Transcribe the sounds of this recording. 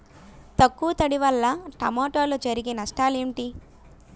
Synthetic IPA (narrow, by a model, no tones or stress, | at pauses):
t̪ɐkːuːt̪ɐɽiʋɐlːɐʈɐ̰moːʈoːlod͡ʒɐɾiɡenɐʂʈaːleːɳʈi